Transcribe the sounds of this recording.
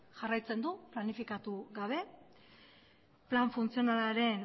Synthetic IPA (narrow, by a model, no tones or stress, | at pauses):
ʝarajt͡se̞nd̪uplanifikat̪uɣaβ̞e̞ | plaɱfunt͡sio̞nalaɾe̞n